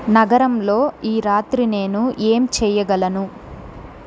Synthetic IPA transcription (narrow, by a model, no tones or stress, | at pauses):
nɐɡɐɾɐmlo̞ːiːɾaːt̪ɾine̞ːnuʔeːmt͡ʃɛːjɐɡɐlɐnu